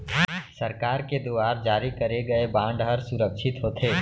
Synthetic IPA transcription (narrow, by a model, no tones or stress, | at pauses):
sɐɾkaːɾked̪oaːɾd͡ʒaːɾikɐɾeɡɐebãːɳɖɦɐɾsʊɾəkʃɪt̪ɦoːt̪ʰeː